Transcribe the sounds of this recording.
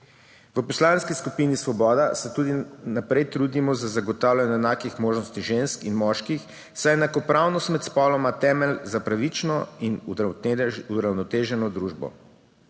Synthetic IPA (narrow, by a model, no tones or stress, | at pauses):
ʋəpɔslaːnskiskupinisʋɔbɔːd̪asɛt̪uːd̪inapɾɛjt̪ɾuːd̪imɔzazaɡɔt̪aːwlʲanɛɛnaːkixmoːʒnɔst̪iʒenskinmɔʃkix | sajɛnakɔpɾaːwnɔst̪mɛt̪spɔlɔmat̪ɛːmɛlzapɾaʋit͡ʃnɔin | uɾawnɔt̪eːʒɛnɔd̪ɾuʒbɔ̰